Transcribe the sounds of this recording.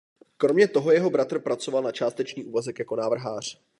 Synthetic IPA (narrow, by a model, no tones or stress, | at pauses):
kɾo̞mɲɛt̪o̞ɦo̞jɛɦo̞bɾat̪r̩pɾat͡so̞valnat͡ʃaːst̪ɛt͡ʃniːʔuːvazɛkjako̞naːvr̩ɦaːr̝̥